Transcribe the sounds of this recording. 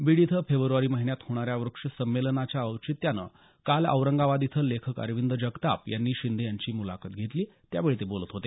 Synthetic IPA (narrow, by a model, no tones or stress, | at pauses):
biɽit̪ʰəfebɾuʋaɾiːməɦinjat̪hoɽ̃aɾjaʋɾukʂəsəmːelənat͡ɕjaəʋt͡ɕit̪janə̰ | kalə̰ʋɾəŋɡaʋad̪it̪ʰəlːekʰəkə̰ɾʋind̪ʱəd͡ʑəɡt̪a̰pjanːiːɕind̪ʱejaɲt͡ɕiːmula̰kət̪̚ɡʱet̪liːt̪jaʋeɭit̪ebolət̪ɦot̪e